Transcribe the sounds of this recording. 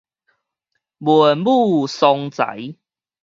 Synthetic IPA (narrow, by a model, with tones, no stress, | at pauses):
bu˨nbu˥˧sɔ˧ŋt͡sa̰˨˦j